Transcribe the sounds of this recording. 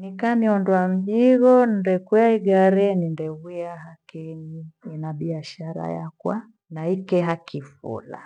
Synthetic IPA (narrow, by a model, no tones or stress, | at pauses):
nikaːmiɔndwam̩ʄiɣɔndɛkwaiɡaɾɛnindɛɣiaɦakɛɲiinaɓiaʃaɾa̰ja̰kwa | naikɛɦakʰifṵla̰